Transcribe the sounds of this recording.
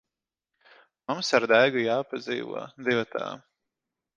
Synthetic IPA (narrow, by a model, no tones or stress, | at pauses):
mumsaɾd̪æjɡujaːpazḭːvṵɔd̪ivat̪a̰ː